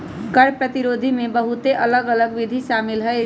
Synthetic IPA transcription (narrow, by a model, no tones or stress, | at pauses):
kəɾpɾət̪iɾoːd̪ʱimẽbəɦut̪eʔɐləɡələɡʋid̪ʱiʃaːmɪlɦəe